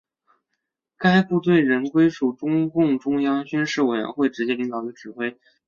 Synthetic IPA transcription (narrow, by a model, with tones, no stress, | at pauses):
ka˥ɪpu˥˧t̪we˥˩ɪɻə˧˥nkwe˥ɪʂu˨˩ʈ͡ʂʊ˥ŋkʊ˥˩ŋʈ͡ʂʊ˥ŋjɑ˥ŋt͡ɕy˥nʂɻ̩˥˩we˨˩ɪɥɛ̰˧˥nxwe˥˩ɪʈ͡ʂɻ̩˧˥t͡ɕjɛ˥li˧˥ŋt̪ɑ˨˩ʊy˧˥ʈ͡ʂɻ̩˨˩xwe˥ɪ